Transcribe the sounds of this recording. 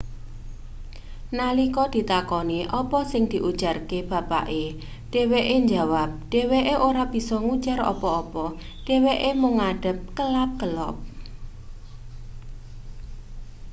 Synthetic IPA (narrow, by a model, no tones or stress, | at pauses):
nalikɔd̪̥i̤t̪akɔniʔɔpɔsɪŋd̪̥i̤ʔud̥ʒ̥a̤rkeb̥a̤pa̰ʔe | ɖ̥e̤weʔeɲd͡ʒawap̚ɖ̥e̤weʔeʔoɾab̥i̤sɔŋud̥ʒ̥aɾɔ̰pɔɔpɔ | ɖ̥e̤weʔemuŋaɖ̥ə̤p̚kəlap̚ɡ̥əlɔp̚